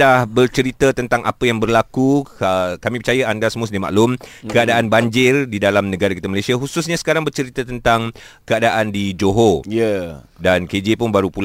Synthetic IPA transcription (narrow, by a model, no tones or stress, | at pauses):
dahbərt͡ʃəɾit̪ət̪ənt̪aŋʔa̰pəjaŋbərlakuəkamĩpərt͡ʃajaandasəmʊsdima̰ʔlʊmkəadaʔanbaɲd͡ʒɪrdidalamnə̃ɡaɾakit̪amalasiaɦususɲasə̥kaɾaŋbərt͡ʃəɾit̪ət̪ənt̪aŋ | kəadaʔandid͡ʒoɦojədanked͡ʒepʊnbaɾupul